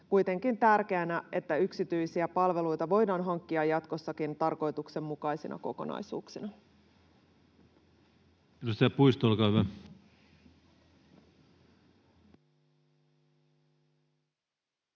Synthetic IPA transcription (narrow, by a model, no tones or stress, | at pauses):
kujt̪e̞ŋkint̪ærke̞ænæe̞t̪ːæyksit̪yjsiæpɑlʋe̞lujt̪ɑʋo̞jdɑːnɦɑŋkːiɑjːɑt̪ko̞sːɑkint̪ɑrko̞jt̪ukse̞mːukɑjsinɑ̰ko̞̰ko̞̰nɑ̰jsṵːksinɑ | edust̪ejɑpuist̪olkɑːyʋæ